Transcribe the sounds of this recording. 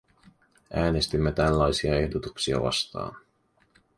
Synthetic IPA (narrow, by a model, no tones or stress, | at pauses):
ʔæːne̞st̪imːe̞t̪ælːɑjsiɑe̞ɦdot̪uksiɑ̰ʋɑ̰st̪ɑ̰ːn